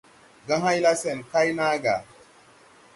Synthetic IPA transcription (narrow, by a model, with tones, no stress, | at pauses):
ɡã˦ɦa˦jla˦se˨nka˦jna˦ɡa̰˨